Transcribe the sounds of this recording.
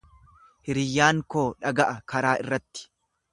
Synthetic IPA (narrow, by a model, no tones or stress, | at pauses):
hɪɾɪjːaːŋko̞ːᶑɐɡɐʔɐkɐɾaːɪrːɐt̪ːɪ̥